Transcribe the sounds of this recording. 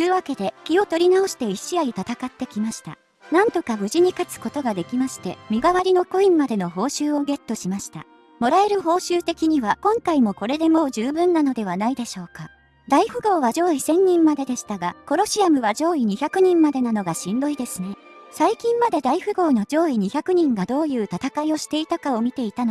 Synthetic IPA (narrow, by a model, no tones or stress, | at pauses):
jɯːβake̞d̪e̞kʲio̞t̪o̞ɾʲinaoɕi̥t̪e̞iɕiait̪at̪akat̪ːe̞kʲimaɕi̥t̪a̰ | nãnt̪o̞kabɯ̟ʑiɲ̟ikat͡sɨ̥ko̞t̪o̞ɡad̪e̞kʲimaɕi̥t̪e̞mʲiɡaβaɾʲino̞ko̞ĩmːad̪e̞no̞ɦo̞ːɕɨːo̞ɡe̞t̪ːo̞ɕimaɕi̥t̪a̰ | mo̞ɾae̞ɾɯ̟ɦo̞ːɕɨːt̪e̞kʲiɲ̟iβakõ̞ŋkaimo̞ko̞ɾe̞d̪e̞mo̞ːʑɨːbɯ̟̃nːano̞d̪e̞β̞anaid̪e̞ɕo̞ːka | d̪aiɸɯ̟ɡo̞ːβaʑo̞ːisẽ̞ɲ̟ːĩmːad̪e̞d̪e̞ɕi̥t̪aɡako̞ɾo̞ɕiamɯ̟βad͡ʑo̞ːiɲ̟içakɯ̟ɲ̟ĩmːad̪e̞nano̞ɡaɕĩnd̪o̞id̪e̞sɨne | saikʲĩmːad̪e̞d̪aiɸɯ̟ɡo̞ːno̞d͡ʑo̞ːiɲ̟içakɯ̟ɲ̟ĩŋɡad̪o̞ːjɯ̟ːt̪at̪akaio̞ɕi̥t̪e̞it̪akao̞mʲit̪e̞it̪ano